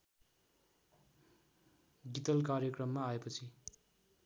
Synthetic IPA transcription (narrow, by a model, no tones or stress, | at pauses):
ɡit̪ʌlkarjʌkrʌmːaːepʌt͡sʰi